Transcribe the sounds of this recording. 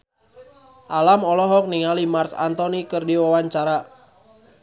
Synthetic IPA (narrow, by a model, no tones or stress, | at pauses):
ʔalamɔlɔɦɔk̚niŋalimarsa̰nt̪ɔnikərdiwawaɲt͡ʃaɾa